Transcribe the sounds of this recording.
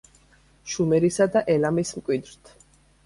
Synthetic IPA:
ʃumɛɾisad̪aʔɛlamismkʼwid̪ɾt̪ʰ

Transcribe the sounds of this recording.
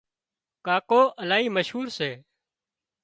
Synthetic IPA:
kaːkoːʔəlaːiːməʃɦuːɾseː

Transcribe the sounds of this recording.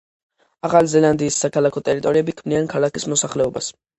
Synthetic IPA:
aχalizɛlˠand̪iːsːakʰalˠakʰɔt̪ʼɛɾit̪ʼɔɾiɛbikʰmniankʰalˠakismɔsaχlɛɔba̰s

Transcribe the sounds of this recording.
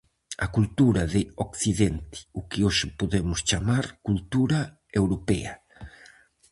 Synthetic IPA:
ɐkult̪uɾɐðɪokθiðent̪ɪ̥ukɪoʃɪpoðemʊst͡ʃamaɾkult̪uɾa | ewɾopɛ̰ɐ

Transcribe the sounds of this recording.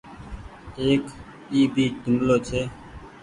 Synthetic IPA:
eːk | iːbiːʈʊmloːt͡ʃʰeː

